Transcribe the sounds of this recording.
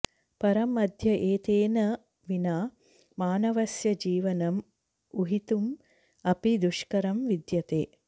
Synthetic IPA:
pɐɾɐmɐd̪ʱjɐʔeːt̪eːnɐ | ʋinaː | maːnɐʋɐsjɐd͡ʒiːʋɐnɐm | uɦit̪um | ɐpid̪uʃkɐɾɐmʋid̪jɐt̪ḛː

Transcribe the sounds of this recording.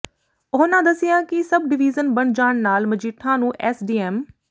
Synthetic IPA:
ʊɦnãːd̪əsɪjãːkɪsəb̚ɖɪʋiːzənbəɳd͡ʒaːɳnaːlməd͡ʒiːʈʰːãːnũːʔɛːsɖiːɛːm

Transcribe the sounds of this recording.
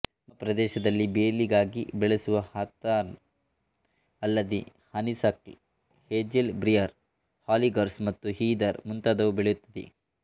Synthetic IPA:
mɐpɾɐd̪ɛːʃɐd̪ɐlːibeːliɡaːɡibɛɭesuʋɐhaːt̪ːaːɾ | ɐlːɐd̪e | hɐnisɐk̚ʈḭ | heːd͡ʒelbɾijɐɾ | haːliɡɐɾsmɐt̪ːuɦiːd̪ɐɾmunt̪aːd̪ɐʋubɛɭejut̪ːɐd̪ḛ

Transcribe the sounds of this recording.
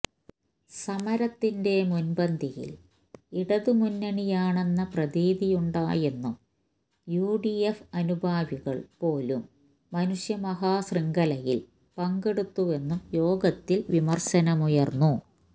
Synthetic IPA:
sɐmɐɾɐt̪ːinde̞munbɐnd̪ʱijḭl | iɽɐðumunːɐɳijaːɳe̞nːɐprɐðiːðijuɳɖaːje̞nːum | juːɖiefɐnubʱaːʋiɣɐɭpo̞ːlumː | ɐnuʂjɐmɐɦaːsriŋɡɐlɐjil | pɐŋɡe̞ɽut̪ːuʋe̞nːumjo̞ːɡɐt̪ːilʋimɐrɕɐnɐmujɐrnːu

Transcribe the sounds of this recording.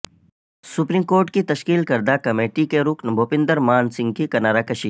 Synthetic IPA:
sʊpɾiːmkoːɾʈkit̪ɐʃkiːlkɐɾd̪akɐmeːʈikeɾʊknbʱoːpɪ̃nd̪əɾmaːnsɪ̃ŋɡkikɐnaːɾakɐʃiː

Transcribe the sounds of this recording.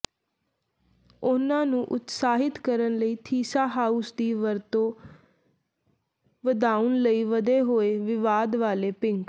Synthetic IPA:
ʊnãːnũːʔʊt̪saːɦɪt̪kəɾənləiːt̪ʰiːsaːɦaːusd̪iːʋəɾt̪õː | ʋəd̪aːʊənləiːʋəd̪eːɦoːeːʋɪʋaːd̪ʋaːleːpɪŋk

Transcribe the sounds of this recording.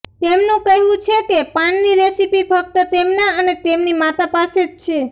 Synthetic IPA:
t̪emnũkəɦũt͡ʃʰekepaɳniɾesipifʰək̚t̪ət̪emnaənet̪emnimat̪apaset̪̚t͡ʃʰe

